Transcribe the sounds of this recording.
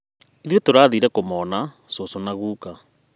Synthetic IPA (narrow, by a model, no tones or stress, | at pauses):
iðjotoɾaːðiɾɛkomɔna | sosonaɣuːka